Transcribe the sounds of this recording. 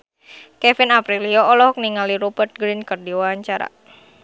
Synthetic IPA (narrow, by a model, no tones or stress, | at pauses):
kɛfinapɾilioːlɔɦɔk̚niŋaliɾubərt̪̚ɡɾinkərdiwaaɲt͡ʃaɾa̰